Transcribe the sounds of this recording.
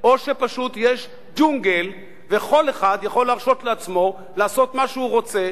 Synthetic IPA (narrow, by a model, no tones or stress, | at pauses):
ʔo̞ʃepaʃut̪jeʃ | d͡ʒuŋɡel | veχo̞leχad̪jaχo̞lːaʁʃo̞t̪leat͡smo̞ | laːso̞t̪maʃeuʁo̞t͡se̞